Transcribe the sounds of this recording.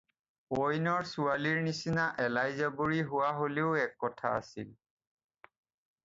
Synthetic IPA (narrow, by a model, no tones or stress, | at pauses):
pojnɔɹsualiɹnisinaʔɛlajzaboɹiɦʊwaɦoleʊɛkːɔtʰa̰a̰sḭl